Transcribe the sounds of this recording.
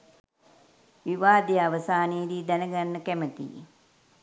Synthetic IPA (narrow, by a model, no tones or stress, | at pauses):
ʋiʋaːd̪eaʋəsaːneːd̪iːd̪ænəɡanːəkæmət̪ḭː